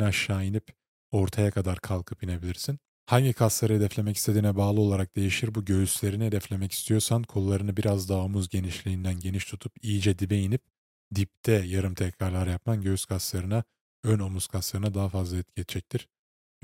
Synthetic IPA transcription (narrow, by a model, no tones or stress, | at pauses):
aʃːaːjinip | o̞ɾt̪ʰajakʰad̪aɾkʰalˠkʰɯpine̞bilʲiɾsin | haɲɟikʰaslˠaɾɯɦed̪ɛflʲe̞mɛci̥st̪ʰed̪iːnɛbaːlˠɯo̞lˠaɾak̚d̪e̞jiʃiɾbuɟø̞jyslʲe̞ɾinihe̞d̪ɛflʲe̞mɛci̥st̪ʰijo̞ɾsankʰo̞lˠlˠaɾɯnɯbiɾazd̪aomuzɟe̞niʃlʲiːnd̪ænɟe̞niʃt̪ʰut̪ʰupijid͡ʒɛd̪ibejinip̚ | d̪ip̚t̪ʰɛjaɾɯmt̪ʰɛcɾaɾlˠaɾjap̚manɟøyz̥kʰaslˠaɾɯna | øno̞muz̥kʰaslˠaɾɯnad̪aɦafazlˠaɛt̪̚ɟʰet̪d͡ʒɛc̚t̪ʰiɾ̥